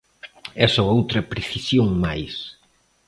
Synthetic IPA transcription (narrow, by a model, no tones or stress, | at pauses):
ɛsoowt̪ɾɐpɾeθisjoŋmajs